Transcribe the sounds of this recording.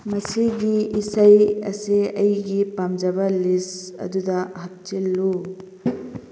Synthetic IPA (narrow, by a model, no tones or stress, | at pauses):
mɐsiɡiːsajɐ̰siɐjɡipamd͡ʒɐbɐlisɐ̰dudɐhat̚t͡ʃilːu